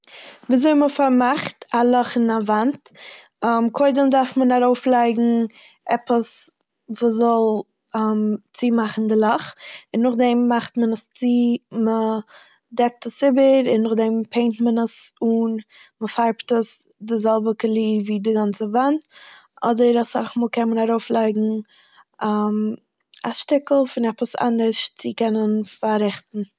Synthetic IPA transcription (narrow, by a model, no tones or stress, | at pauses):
viːzoɪməfaɾmaχtalˠɔχɪnavant | mkʰoɪdəmdaɾfmənaɾoʊflˠaɪɡŋ̩ | ʔɛpəs | vuːszɔlˠ | amt͡simaχn̩dɪlˠɔχɪnːʊχdɛmːaχtmənəst͡simə | dɛk̚təsɪbəɾɪnːʊχdɛmpʰeɪntmənəsuːnməfaɾptəs | dɪzɛlˠbəkəlˠiːviːdɪɡant͡səvantʔɔdəɾasa̰χmuːlˠkɛnmənaɾoʊflˠaɪɡŋ̩ | am | aʃtɪkl̩ˠfɪnɛpəsa̰ndəʃt͡sɪkɛnənfaɾɪχtn̩